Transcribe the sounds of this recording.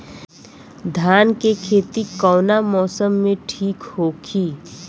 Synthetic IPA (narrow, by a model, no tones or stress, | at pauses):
d̪ʱjaːnkekʰeːt̪ikɔːnamɔːsəmːẽʈʰiːkhoːkʰiː